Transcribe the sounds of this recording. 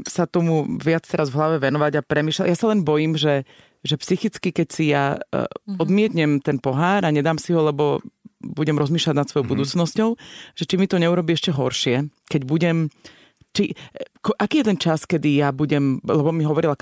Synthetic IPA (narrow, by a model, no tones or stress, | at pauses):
sat̪ɔmuʋɪat͡st̪ɛɾazʋɦlaʋɛʋɛnɔʋaɟapɾɛmiːʃlajasalɛnbɔjiːmʒɛ | ʒɛpsixit͡skikɛcsija | ɔd̪mɪɛt̪ɲɛmt̪ɛnpɔɦaːɾaɲɛd̪aːmsiɦɔlɛbɔbuɟɛmɾɔzmiːʃlaɟnat̪sʋɔjɔʊbud̪uːt͡snɔscɔʊʒ̥ɛt͡ʃimit̪ɔɲɛuɾɔbiːɛʃcɛɦɔɾʃɪɛkɛɟbuɟɛm | t͡ʃikɔʔakiːjɛt̪ɛnt͡ʃaskɛd̪ijabuɟɛmlɛbɔmiɦɔʋɔɾila